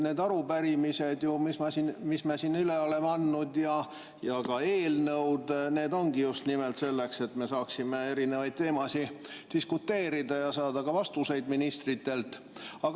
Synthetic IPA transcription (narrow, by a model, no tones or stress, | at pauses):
ne̞ːd̪ɑɾupæɾimise̞d̪jumismɑsinmismesinyleo̞lemɑnːud̪jɑ | jɑkɑe̞ːlnɤwd̪ne̞ːd̪o̞nɡ̥ijust̪nimelt̪se̞lːe̞kse̞t̪me̞sɑːksime̞e̞ɾine̞vɑjd̪̥̚t̪eːmɑsid̪̥iskut̪ːe̞ːɾid̪̥ɑjɑsɑːd̪ɑɡ̥ɑvɑst̪use̞jd̪minist̪rit̪ːe̞lt̪ːˑ | ɑɡ